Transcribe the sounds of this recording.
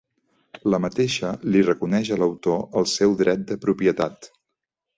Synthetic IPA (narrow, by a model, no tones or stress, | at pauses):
ləmət̪eʃəlirəkunɛʒələwt̪oəlˠsɛwd̪ɾɛt̪̚d̪əpɾupiət̪at̪